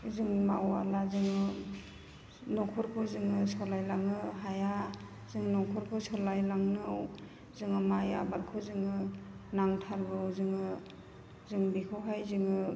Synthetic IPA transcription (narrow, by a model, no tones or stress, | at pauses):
zɯŋma̰ʔɔa̰lazɯŋɯ | nɔkʰɔɾkʰɯzɯŋɯsɔlajlaŋɯɦaja | zɯŋnɔkʰɔɾkʰɯsɔlajlaŋnɯw | zɯŋɯmaja̰balkʰɯzɯŋɯnaŋtʰaɾɡɯwzɯŋɯ | zɯŋbikʰɯwɦajzɯŋɯ